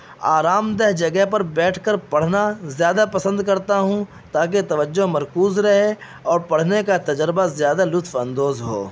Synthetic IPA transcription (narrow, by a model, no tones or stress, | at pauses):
aːɾaːmd̪ɛɦd͡ʒɐɡɛɦpɐɾbɛːʈʰkəɾpɐɽ̤nazjaːd̪apɐsə̃nd̪kɐɾt̪aɦũ | t̪aːk̬et̪ɐʋəd͡ʒːoɦmɐɾkuːzɾɐɦe | ɔːɾpɐɽ̤nekat̪ɐd͡ʒɾɪbazjaːd̪alʊt̪fɐ̃nd̪oːzɦo̰ː